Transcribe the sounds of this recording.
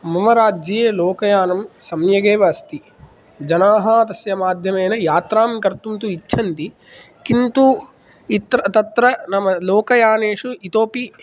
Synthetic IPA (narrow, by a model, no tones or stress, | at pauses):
mɐmɐɾaːd͡ʒɐjeːloːkɐjaːnɐmsɐmjɐɡeːʋɐɐst̪i | d͡ʒɐnaːɦaːt̪ɐsjɐmaːd̪ʱjɐmɐjnɐjaːt̪ɾaːmkɐɾt̪unt̪uit͡ʃːʃʰɐnt̪i | kint̪u | it̪ɾɐt̪ɐt̪ɾɐnɐmɐloːkɐjaːneːʂuit̪oːpi